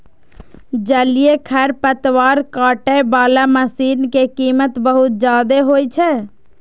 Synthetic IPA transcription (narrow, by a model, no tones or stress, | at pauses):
d͡ʒəlijekʰɛɾpət̪waːɾkaːʈebaːlaməsiːnkekiːmət̪bəɦut̪̚d͡ʒaːd̪eɦojt͡ʃʰɛ